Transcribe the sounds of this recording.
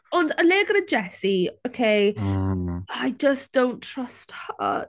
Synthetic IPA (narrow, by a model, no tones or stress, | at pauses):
ɔ̃ndəleːɡəɾəd͡ʒɛsiokʰeɪ | aɪd͡ʒʌsd̥õw̃ntʰɹ̥ʌsthə̰